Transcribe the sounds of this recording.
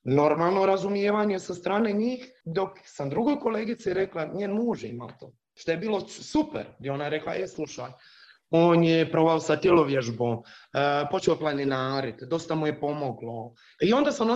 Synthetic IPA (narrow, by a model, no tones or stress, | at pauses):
no̞ɾmaːlˠnoɾazumjeːʋaɲesast̪ɾaːneɲiːxd̪o̞ksamd̪ɾuɡo̞jko̞leːɡit̪siɾeklˠaɲeːnmuːʒjeima̰lt̪o̰ː | ʃt̪ojebiːlˠo̞supḛɾd̪jeonaɾekla̰ʔeslˠuʃa̰ːj | oːnjepɾo̞ʋaosat̪elˠoʋjeʒboːmpo̞t͡ʃeoplˠaninaːɾit̪d̪o̞st̪amuje̞po̞moɡlo̞ | io̞nd̪aːsamno